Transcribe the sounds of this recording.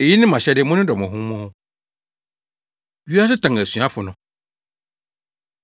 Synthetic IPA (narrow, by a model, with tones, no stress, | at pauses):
e˨ji˦nɪ̃˦mã˨ɕɛ˦dɪ˦mʊ̃˦nɪ̃˦dɔ˨mɔ̃˨ɦũ˦mɔ̃ː˦ | ɥi˦a˦sɪ˦tʰã˨ŋ˨æ˨sɥã˦fʊ˨nʊ̃˨